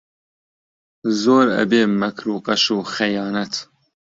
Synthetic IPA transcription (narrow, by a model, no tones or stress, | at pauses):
zoːɾɐ̰beːmɐkʰɾuːqʼɐʃuːxɐjɑːnɐt̪